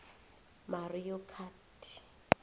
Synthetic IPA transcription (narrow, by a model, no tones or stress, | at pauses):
marijɔkʰatʰi̥